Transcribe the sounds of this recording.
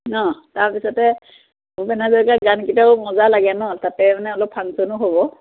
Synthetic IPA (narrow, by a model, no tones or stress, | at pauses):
nɔtaɹpisɔtɛ | bɛnazɔkaɡankitaʊmɔzalaɡɛnɔtatɛmanɛɔlɔk̚pʰaŋsɔnʊɦobɔ